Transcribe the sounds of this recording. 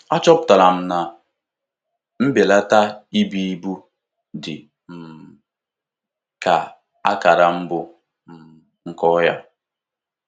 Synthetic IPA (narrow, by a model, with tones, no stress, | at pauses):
a˦t͡ʃɔ˦p̚ta˨la˨m̩˦na˨ | m̩˦be˨la˦ta˦i˦bi˦i˦bu˦ | dɪ˨ | m̩˨ | ka˨ | a˦ka˨ɾa˨m̩˦bʊ˨ | ŋ̩˦kɔ˦ja̰˦